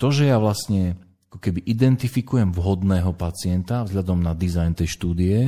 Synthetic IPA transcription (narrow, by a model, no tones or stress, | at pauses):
t̪ɔʒɛjaʋlasɲɛ | akɔkɛbiʔid̪ɛnt̪ifikujɛmvɦɔd̪nɛːɦɔpat͡sɪɛnt̪avzɦʎad̪ɔmnad̪izajnt̪ɛjʃt̪uːd̪iɛ